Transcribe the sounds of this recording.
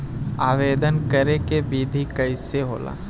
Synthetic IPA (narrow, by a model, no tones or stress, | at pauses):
aːʋeːd̪ənkəɾekebiːd̪ʱikɐɪseɦo̰ːla̰ː